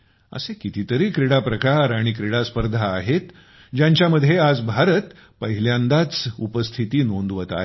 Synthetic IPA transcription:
ə̰sekit̪it̪əɾiːkɾeɽapɾəkaɾaɽ̃ikɾeɽaspəɾd̪ʱaːɦet̪ | d͡ʑjãɲt͡ɕjaməd̪ʱjead͡zbʱaɾət̪ | pəɦiljãnd̪at͡supəst̪ʰit̪iːnond̪ʋət̪a̰ɦe

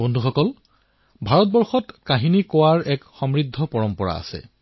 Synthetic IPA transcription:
bondʱuxɔkɔl | bʱaɹɔt̚bɔɹxɔtkaɦinikowaɹɛkxɔmɹidʱːɔpɔɹɔmpɔɹa̰a̰sɛ̰

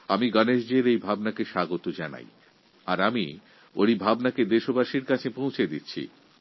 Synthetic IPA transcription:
amiɡɔneʃd͡ʑeɾejbʱabnakeʃaɡot̪od͡ʑana̰j | aɾami | o̰ɾibʱabnaked̪eʃobaʃiɾkat͡ɕʰepõw̃t͡ɕʰed̪it̪ːɕʰḭ

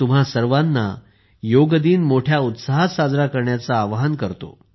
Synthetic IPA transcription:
um̤asəɾʋanːa̰ | joɡd̪iːnmoʈʰjaut̪saɦsad͡zɾakəɾɳjat͡saːʋɦankəɾt̪o̰

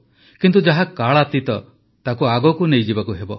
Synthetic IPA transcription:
kint̪̬ud͡ʒaɦakaɭat̪it̪ɔ | t̪akuaɡɔkunejd͡ʒibakuɦebɔ

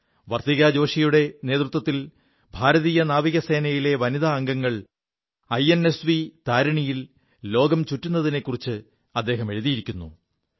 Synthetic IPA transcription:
ʋɐrt̪iɣaːd͡ʑo̞ːʂijuɽe̞ne̞ːt̪rut̪wɐt̪ːil | bʱaːɾɐðiːjɐnaːʋiɣɐse̞ːnɐjile̞ʋɐniðaːŋɡɐŋːɐɭ | ɐjene̞sʋit̪aːɾɐɳijil | lo̞ːɡɐmt͡ɕutːunːɐðine̞kːurit͡ɕːɨ | ɐd̪ːe̞ːɦɐme̞ɻuðijiɾikʲːunːṵ

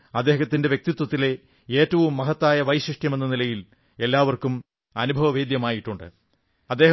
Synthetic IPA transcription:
ɐd̪ːeːɦɐt̪ːindeʋje̞k̚t̪it̪wɐt̪ːile̞ | eːtːɐʋumːɐɦɐt̪ːaːjɐʋɐjɕriʂʈjɐmenːɐnilɐjil | e̞lːaːʋɐrkum | ɐnubʱɐʋɐʋeːd̪jɐmaːjiʈːuɳɖɨ̰ | ɐd̪ːe̞ːɦɐ

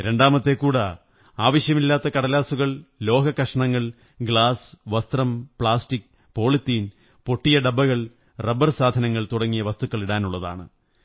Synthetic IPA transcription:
ɾe̞ɳɖaːmɐt̪ːe̞kːuːɽɐ | aːʋɐɕjɐmilːaːt̪ːɐkɐɽɐlaːsuɣɐɭlo̞ːɡʱɐkːɐʂɐɳɐŋːɐɭ | ɡɭaːsʋɐst̪rɐmpɭaːstik | po̞ːɭit̪ːiːn | po̞ʈːijɐɖɐbːɐɣɐɭ | rɐbɐrsaːd̪ʱɐnɐŋːɐɭt̪uɽɐŋːijɐʋɐst̪ukːɐɭiɽaːnuɭːɐða̰ːɳɨ̰

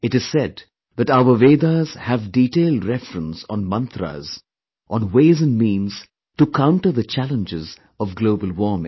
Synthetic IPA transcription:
ɪʈɨz̥sɛd | ðæʈaʊəʋeːd̪az̥hævɖiʈeːlɖɾɛfɾə̃nsɔ̃nmʌ̃nt̪ɾa̰z̥ | ʔɔ̃nweːzɨ̃nɖmĩːnz̥ | ʈukʰãʊ̃ɳʈəðət͡ʃælə̃nd͡ʒɪz | ɔvɡloːbəlwɔːmɪ̰̃ŋ

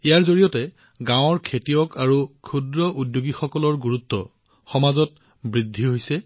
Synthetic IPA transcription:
ijaɹzoɹijɔtɛ | ɡãw̃ɔɹkʰetijɔkaɹukʰudɹɔʔudjoɡixɔkɔlɔɹɡuɹutːɔ̰ | xɔmazɔt | bɹidʱːiɦojsɛ

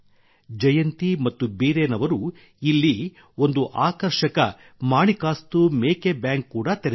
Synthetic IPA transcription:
d͡ʒɐjɐnt̪imɐt̪ːubiːɾeːnɐʋɐɾu | ilːi | o̞nd̪uʔaːkɐɾʂɐkɐ̰ | maːɳikaːst̪umeːkebjaːŋkːuːɽɐt̪eɾ

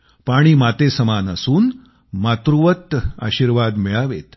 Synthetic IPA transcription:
paɽ̃iːmat̪esəmanəsuːn | mat̪ɾuʋət̪a̰ɕiɾʋad̪mɛɭaʋet̪

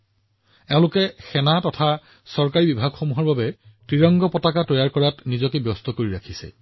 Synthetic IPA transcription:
tɛʊ̃lʊkɛxɛnatɔtʰa | sɔɹkaɹibibʱaɡxomuɦɔɹbabɛ | tɹiɹɔŋɡɔpɔtakatɔjaɹkɔɹatnizɔkebjɔstɔkoɹiɹakʰisɛ̰

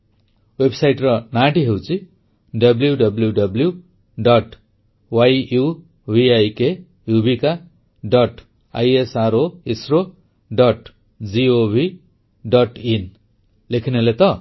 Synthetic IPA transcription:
websajʈrʌnaʈiɦew̃t͡sĩ | ɖʌbljuɖʌbljuɖʌblju | ɖʌʈ | waju | bʱiajke | jubʱika | ɖʌʈ | a̰jesaɾoesro | ɖʌʈ | d͡ziobʱi | ɖʌʈin | lekʰinolet̪ʌ

